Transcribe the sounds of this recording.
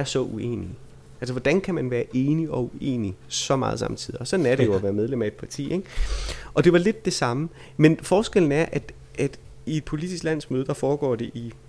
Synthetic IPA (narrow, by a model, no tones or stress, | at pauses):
æɐsɒ̽ʔue̝̰ːni | ʔælsɐʋɒd̥ænkʰæmænʋæːɐʔe̝ːniɒ̽uʔe̝̰ːnisɒ̽mɑ̈ːð̞ˠsɑ̈mt͡sʰiðˠiɒ̽sɒ̽d̥n̩ɐɾ̥e̝jo̝æʋæːɐmeðˠlem̰æe̝d̥̚pʰɑ̈t͡sʰḭːeɡ̥ʔɒ̽d̥e̝ʋɑ̈le̝d̥ːe̝sɑ̈mə | menfɒːsɡ̥eln̩æɐʔæd̥ | ʔæd̥ie̝d̥̚pʰo̝lid̥isɡ̥læn̰smøːð̞ˠd̥ɑ̈fɒːɡ̥ɒ̰ːd̥e̝ʔi